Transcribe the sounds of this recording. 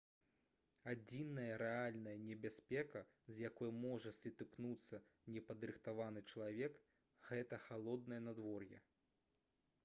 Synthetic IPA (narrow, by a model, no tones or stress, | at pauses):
ad͡zʲinːɐjɐɾɛalʲnɐjɐnʲɛbʲasʲpʲɛkɐ | zʲjakɔjɐmɔʐɐsʲit̪ɨknut̪sːɐnʲɛpɐd̪ɾɨxt̪avanɨt͡ʂɐlˠavʲɛk | ɣɛt̪ɐxalˠɔd̪nɐjɐnad̪vɔrjɛ̰